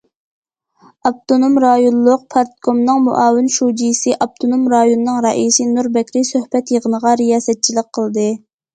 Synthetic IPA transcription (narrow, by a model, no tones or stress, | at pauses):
ɑp̚t̪ʰonomɾɑjonlˠʊq̚pʰɑɾt̪komnɨŋmo̰ʔɑːwɪnʃud͡ʒijsɨʔɑb̚t̪ʰonomɾɑjonɨnɨŋɾɑʔisɪnuɾbɛkʲʰɾɪsøhbɛt̪jəʁənəʁɑɾijɑːzɛt̪̚t͡ʃʰiləq̚qʰːəlˠd̪ɨ